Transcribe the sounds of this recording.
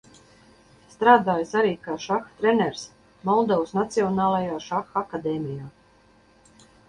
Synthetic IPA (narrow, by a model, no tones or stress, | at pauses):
st̪ɾaːd̪aːjsaɾiːkaːʃaxt̪ɾenɛɾs | mɔlˠd̪ɔwsnat̪siɔnaːlˠajaːʃaxakad̪ɛːmijaː